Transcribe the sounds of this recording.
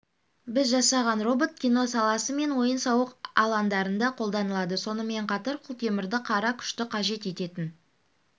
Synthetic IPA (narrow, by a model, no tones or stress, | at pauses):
bɪzʒɑsɑʁɑnro̞bot̪̚kʲino̞sɑlˠɑsəme̞nwo̞jənsɑwəqɑ̰lˠɑnd̪ɑɾənd̪ɑqʰo̞lˠd̪ɑnəlˠɑd̪əso̞nəme̞ɴqʰɑt̪ɑɾqʰʊlˠt̪ʰe̞mɪɾd̪ɪqʰɑɾɑkʲʰʏ̥ʃt̪ɪqʰɑʒe̞t̪e̞t̪e̞t̪ɪn